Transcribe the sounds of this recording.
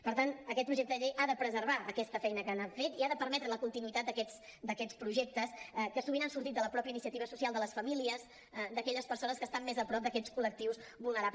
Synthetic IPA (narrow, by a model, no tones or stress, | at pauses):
pəɾt̪anəkɛt̪̚pɾuʒɛk̚t̪əðəʎejʔaðəpɾəzəɾβaəkɛst̪əfɛjnəkənaɱfet̪iaðəpəɾmɛt̪ɾələkunt̪inuit̪at̪̚d̪əkɛsd̪əkɛt͡spɾuʒɛk̚t̪əskəsuβ̞inansuɾt̪it̪̚d̪ələpɾɔpjəinisiət̪iβəsusialˠd̪ələsfəmiliəz | d̪əkɛʎəspəɾsonəskəst̪ammːezəpɾɔp̚d̪əkɛt͡sskulək̚t̪iwsβulˠnəɾap